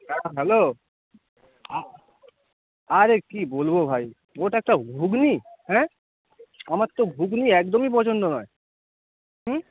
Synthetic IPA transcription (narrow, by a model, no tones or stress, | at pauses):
ɦɛɦɛlo | a | aɾekibolbobʱaj | oʈaɛk̚ʈaɡʱuɡnihɛ̃ | amaɾt̪ːoɡʱuɡniɛk̚d̪omip̬ɔt͡ɕʰont̪onɔe | ɦm̩